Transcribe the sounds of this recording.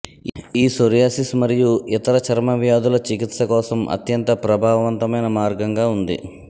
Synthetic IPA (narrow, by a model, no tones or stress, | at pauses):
iːsoɾjaːsismɐɾijuit̪ɐɾɐt͡ʃʰɐɾmɐʋjaːd̪ulɐt͡ʃikit̪sɐkɔːsɐmʔɐ̰t̪jɐnt̪ɐpɾɐbʱaːʋɐʋɐnt̪ɐmɐjnɐmaːɾɡɐŋɡaːund̪ḭ